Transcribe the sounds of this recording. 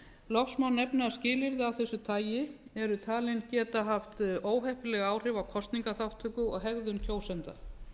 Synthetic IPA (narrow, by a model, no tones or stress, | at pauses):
lɔxsmawnːɛpnɪascɪːlɪɾðɪawθɛsːʏt̪ʰaːjɪɛɾʏt̪ʰaːlɪncɛːt̪aɦaft̪oːwɦɛhpɪlɛɣaːwr̥ɪvawkʰɔst̪niŋkaθawht̪ʰːʏkʏɔ̰ɣɦɛɣðʏncʰoːwsɛnt̪a